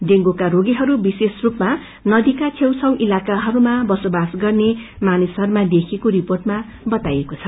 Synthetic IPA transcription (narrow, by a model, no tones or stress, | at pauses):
d̪eŋɡokaɾoɡiɦʌɾubisesrupma | nʌd̪ikat͡sʰew̃sʰʌw̃ʔilakaɦʌɾumabʌsobasɡʌrnemanisɦʌɾumad̪ekʰekoɾiporʈma | bʌt̪ajekot͡sʰʌ